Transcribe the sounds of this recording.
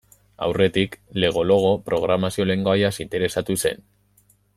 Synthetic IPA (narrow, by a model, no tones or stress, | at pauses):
a̰wre̞t̪ikle̞ɣ̞o̞lo̞ɣ̞o̞pɾo̞ɣ̞ɾamasio̞le̞ŋɡo̞ajasint̪e̞ɾe̞sat̪use̞̰n